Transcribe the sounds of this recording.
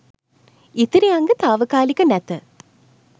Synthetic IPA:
ɪt̪iɾiɐŋɡɯt̪aːʋɐkaːlikːɐnɐt̪ɐ

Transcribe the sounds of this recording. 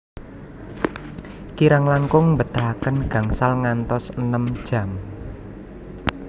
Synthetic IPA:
kiɾaŋlaŋkʊŋmbət̪ahakənɡ̥ä̤ŋsalŋant̪ɔsənəmd̥ʒ̥ä̤m

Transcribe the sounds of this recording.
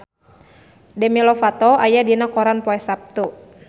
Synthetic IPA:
dɛmilɔfat̪ɔajadinakɔɾanpɔɛsap̚t̪u

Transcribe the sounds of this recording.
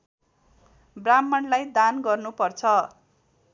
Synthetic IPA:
bramːʌnlajd̪anɡʌrnupʌrt͡sʰʌ

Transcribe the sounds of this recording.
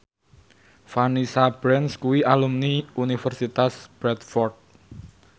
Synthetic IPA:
fanisab̥ɾɛnskuwiʔalumniunifərsit̪asb̥ɾɛt̪̚fɔrt̪̚

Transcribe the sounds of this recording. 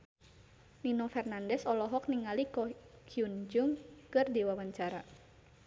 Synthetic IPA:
ninɔfɛrnandɛsɔlɔɦɔk̚niŋalikɔkʰiund͡ʒuŋkɨrdiwawaɲt͡ʃaɾa

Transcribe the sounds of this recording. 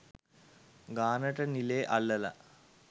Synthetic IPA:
ɡaːnɐʈɐnileʔɐɭːɐlɐ̰

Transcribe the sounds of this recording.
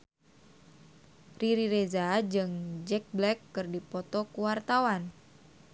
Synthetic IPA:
riɾiɾezad͡ʒɨŋd͡ʒɛk̚blɛkːɨrdipɔt̪ɔkuwart̪awan

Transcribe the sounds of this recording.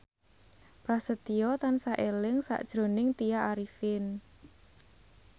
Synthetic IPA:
pɾasət̪iɔt̪ansaʔelɪŋsa̰ʔd̥ʒ̥ɾo̤nɪŋt̪ijaʔaɾifɪn

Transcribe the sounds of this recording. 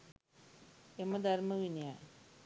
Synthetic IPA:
emɐd̪ʱɐrmɐʋinjaj

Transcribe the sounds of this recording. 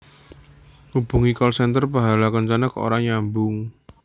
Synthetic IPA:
hub̥ṳŋikɔlsɛnt̪ərpaɦalakəɲt͡ʃanəko̰ɾaɲambʊŋ

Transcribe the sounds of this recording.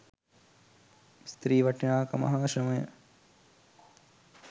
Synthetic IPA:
st̪ɾiːʋɐʈinaːkɐmɐ̰ɦaːʃɾɐməjə̰

